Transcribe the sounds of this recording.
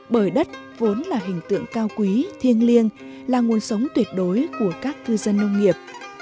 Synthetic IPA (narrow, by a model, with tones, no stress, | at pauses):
ɓəː˧˩jɗə˦˥t̚ | vo˨˦nlaː˨˩ɦï˨˩ŋ̟t̪ɨ̰˧˨əŋkaː˧wkwi˨˦t̪ʰi˧ənli˧ən | laː˨˩ŋu˨˩ənsə˨˦wŋ͡mt̪wi˦˩ət̚ɗo˨˦jku˧˩əkaː˦˥k̚k̪ɨ˧zə˧nːə˧wŋ͡mŋi˨˩əp̚